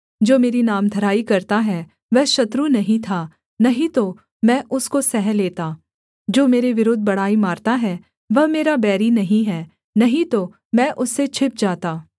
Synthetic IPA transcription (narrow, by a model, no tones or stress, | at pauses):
d͡ʒoːmeːɾinaːmd̪ʱɐɾaːikɐɾt̪aɦɛ | ʋɛɦʃɐt̪ɾunɐɦĩt̪ʰa | nɐɦĩt̪o | mɛ̃ːʔʊskosɛɦɛ̃leːt̪aː | d͡ʒoːmeːɾeʋɪɾʊːd̪̚ʱbɐɽ̤aːimaːɾt̪aɦɛ | ʋɐɦmeːɾabɛːɾinɐɦĩɦɛː | nɐɦĩt̪o | mɛ̃ːʔʊsːet͡ʃʰɪp̚d͡ʒaːt̪aː